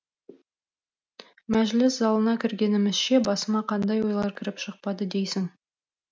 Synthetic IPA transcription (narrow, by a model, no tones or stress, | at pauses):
mæʒlɪszɑlˠənɑkʲʰɪɾɡʲe̞nɪmɪzʃe̞bɑsəmɑqʰɑnd̪ɑjwo̞jlˠɑɾkʲʰɪɾɪpʃəq̚pɑd̪əd̪ejsɪŋ